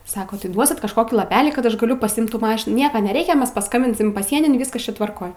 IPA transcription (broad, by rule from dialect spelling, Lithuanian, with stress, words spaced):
ˈsɑːkoː tɐɪ ˈduɔsʲɪt kɐʃˈkoːkʲiː lˠɐˈpʲæːlʲiː kɐt ˈɐʃ ɡɐˈlʲʊ pɐsʲɪˈɪmt ˈtuː ˈmɑːʃʲɪnuː ˈnʲiɛkɐ nʲɛˈrʲɛɪkʲɛ ˈmʲɛs pɐˈskɐmʲbʲɪnʲsʲɪm pɐˈsʲiɛnʲɪn ˈʋʲɪskɐs ˈt͡ʃʲɛ tʋɐrˈkoːj